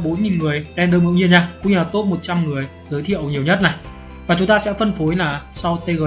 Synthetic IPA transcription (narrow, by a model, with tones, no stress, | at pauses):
ɓo˨˦nŋi˨˩nŋɨ˨˩əjɗɛ˧nɗəː˧mɨ̰˧˥wŋɲi˧ɲaː˧kʊ̰˧˥ŋ͡mɲɨ˧laː˨˩t̪o˦˥t̚mo˨˩t̚t͡ɕa˧mŋɨ˨˩əj | zəː˨˦jt̪ʰḭ˧˨əwɲi˨˩wɲə˦˥t̚na˨˩j | vaː˨˩t͡ɕʊ˨˦ŋ͡mt̪aː˧sɛ̰˧˥fə˧nfo˨˦jlaː˨˩sa˧wt̪e˧ɣəː˧˩